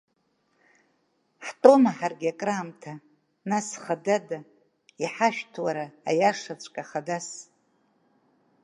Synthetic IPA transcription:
ħtʼo̞maħarɡʲakʼraːmtʰa | nasχadada | iħaʃᶣtʰwaɾa̰ːjaʂat͡ɕʷʰʼkʼaχadas

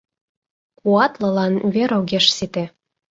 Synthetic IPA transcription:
kuɑt̪lɤ̆lɑnβeɾoɣeʃsit̪ĕ

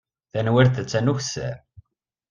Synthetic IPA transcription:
θænwɪɾθæt͡sːænuçsæ̰

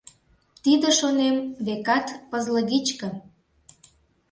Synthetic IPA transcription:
t̪id̪ə̆ʃonemβekɑt̪pəzləɣit͡ɕkə̆

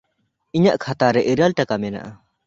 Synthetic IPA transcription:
iɲaʔkʰat̪aɾɛʔiɾalʈakamɛna̰ʔa

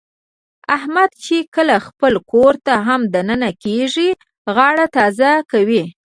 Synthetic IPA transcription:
ahmad̪t͡ʃekəlaxpəlkoɾt̪aɦamd̪anənakeʐi | ɣɑɽat̪ɑzakawi

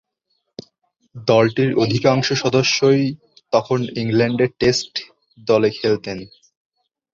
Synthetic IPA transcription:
d̪ɔlʈiɾod̪ʱikaŋʃoʃɔd̪oʃːoj | t̪ɔkʰoniŋlɛɳɖeɾʈesʈ | d̪ɔlekʰelt̪en

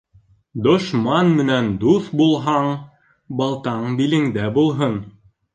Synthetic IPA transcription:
d̪ŏʃmɑnmɘ̆nænd̪uθbulˠɦɑɴ | bɑlˠt̪ɑɴbilɘ̆ŋd̪æbulˠɦɤn

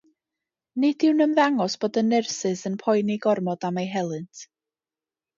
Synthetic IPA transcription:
nɪd̥ɪwnəmðaŋɔsb̥oːdənɛrsɨsənpʰɔjniɡɔrmɔdamejɦɛlˠɨntʰ

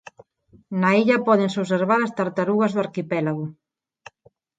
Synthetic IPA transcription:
naiʎɐpɔðɪŋsoβseɾβaɾast̪aɾt̪aɾuɣɐzðʊaɾkipɛlaɣʊ

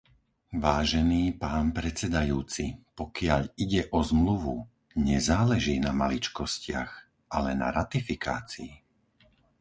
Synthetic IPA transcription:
ʋaːʒɛniːpaːnpɾɛt͡sɛd̪ajuːt͡sipɔkɪaʎiɟɛʔɔzmluʋu | ɲɛzaːlɛʒiːnamalit͡ʃkɔscɪa̰x | ʔalɛna̰ɾat̪ifika̰ːt͡sii

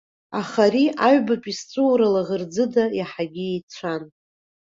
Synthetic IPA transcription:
aχaɾiaɥbapʼist͡sʷʼɨwɾalaʁərd͡zɨdajaħaɡʲiejt͡sʷʰan

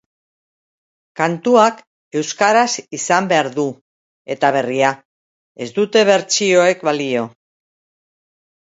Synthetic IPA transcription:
kant̪uak | e̞wskaɾasisambe̞aɾðu | e̞t̪aβ̞e̞ria | e̞zd̪ut̪e̞β̞e̞ɾt͡ʃio̞e̞kβalio̞

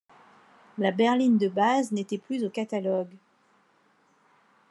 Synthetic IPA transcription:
labɛʁlind̪əbaznet̪ɛplyzokat̪alɔɡ

